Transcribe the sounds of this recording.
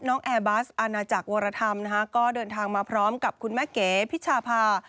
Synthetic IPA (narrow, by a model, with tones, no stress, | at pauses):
nɔː˦˥ŋʔɛː˧baː˦˥sʔa˧naː˧t͡ɕa˨˩k̚woː˧ɾa˧t̪ʰa˧mna˦˥kʰa˦˥kɔː˥˩dɤː˧nt̪ʰaː˧ŋmaː˧pʰɾɔː˦˥mka˨˩p̚kʰu˧nmɛː˥˩keː˩˦pʰi˦˥t̪̚t͡ɕʰaː˧pʰaː˧